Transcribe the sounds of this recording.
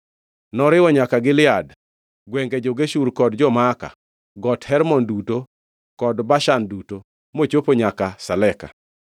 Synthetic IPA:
nɔɾɪwɔɲakaɡɪlɪad | ɡwɛŋɡed͡ʒoɡeʃuɾkɔdd͡ʒɔmaka̰ | ɡɔthɛɾmɔnduto | kɔdbaʃanduto | mot͡ʃopoɲakasalɛka̰

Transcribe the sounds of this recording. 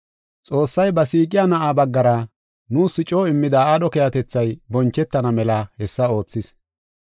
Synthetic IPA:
t͡sʼo̞ːsːɐjbɐsiːkʼɪjanɐʔaːbɐɡːɐɾɐ | nuːsːɪt͡ʃʼo̞ːɪmːɪd̪ɐaːdɔkɛjɐt̪ɛt͡sːɐjbɔnt͡ʃːɛt̪ːɐnɐmɛlɐhɛsːɐo̞ːt͡sːɪs

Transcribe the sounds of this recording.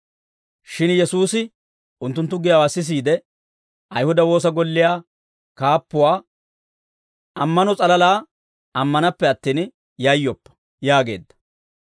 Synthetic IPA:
ʃɪnjɛsuːsɪ | ʔʊnt̪ːʊnt̪ːʊɡɪjawasɪs̬iːd̪ɛ | ʔɐjhʊd̪ɐwo̞ːs̬ɐɡɔlːɪjaː | kaːpːʊwaː | ɐmːɐnɔt͡sʼɐlɐlaː | ɐmːɐnɐpːɛɐt̪ːiːn | jɐjːɔpːɐ̥ | jaːɡe̞̰ːd̪ːɐ̥

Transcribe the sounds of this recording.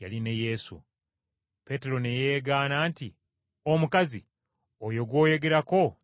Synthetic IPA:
ja̰lineje̞sṵ | pe̞ːte̞ɾo̞neje̞ːɡaːnaːnti | omukazi | ojo̞ɡwo̞ːje̞ɡe̞ɾako̞

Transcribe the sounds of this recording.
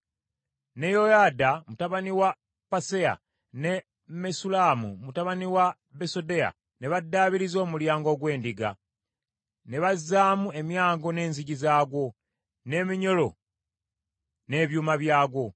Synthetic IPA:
ne̞jojadamutaβaniwa | pase̞a̰ | ne̞ | mesulaːmṵmutaβaniwa | beso̞de̞a̰ | ne̞βadːaːβiɾizo̞ːmuljaːŋɡo̞ːɡwe̞ːndiɡa̰ | ne̞βazːaːmue̞mjaːŋɡo̞ne̞ːnziɟizaːɡwo̞ | ne̞miɲo̞lo̞ | ne̞ːβjuːmaβjaːɡwo̞

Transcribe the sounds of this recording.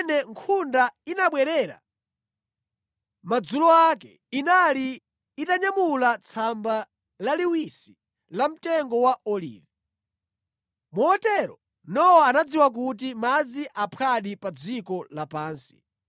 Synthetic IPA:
nɛŋkʰundainaɓwɛɾɛːɾa̰ | mad͡zulɔakɛ̰ | inaliː | taɲamulat͡sʰamba | laliwisi | lam̩tɛŋɡɔwaɔlḭːvɛ | muɔtɛɾɔ̰ | nɔwɔanad͡ziwak̬ut̬imad͡ziʔapʰaɗipad͡zikɔlapaːnsi̥̰

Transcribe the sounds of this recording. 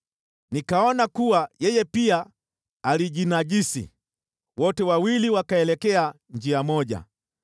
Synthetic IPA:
nikaɔnakuwajɛjɛpiaː | liʄinaʄisḭ | wɔtɛwawiliwakaɛlɛkɛa | ɲd͡ʒiamɔʄa̰

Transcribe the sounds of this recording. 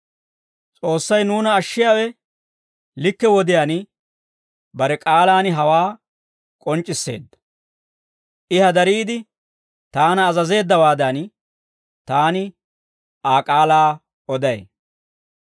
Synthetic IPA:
t͡sʼo̞ːsːɐjnuːnɐːʃːɪjaːwɛ | lɪkːɛwɔd̪ɪjaːn | bɐɾɛkʼaːlaːnɪɦɐwaː | kʼɔnt͡ʃʼːɪsːe̞̰ːd̪ːɐ̥ | ʔɪhɐd̪ɐɾiːd̪ɪ | t̪aːnɐːzɐze̞ːd̪ːɐwaːd̪ɐn | t̪aːnɪ | aːkʼaːlaː | ɔd̪ɐj

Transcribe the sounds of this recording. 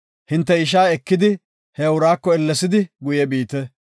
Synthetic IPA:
hɪnt̪ːɛɪʃ̬aːɛkːɪd̪ɪ | hɛʊɾaːkːɔɛlːɛsɪd̪ɪɡʊjɛbiːt̪ɛ

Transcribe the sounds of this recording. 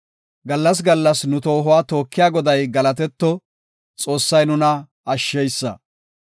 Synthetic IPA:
ɡɐlːɐs̬ɡɐlːɐsnʊt̪o̞ːɦʊwaːt̪o̞ːkːɪjaːɡɔd̪ɐjɡɐlɐt̪ɛt̪ːɔ | t͡sʼo̞ːsːɐjnʊnɐ | ɐʃːɛjsːɐ̰

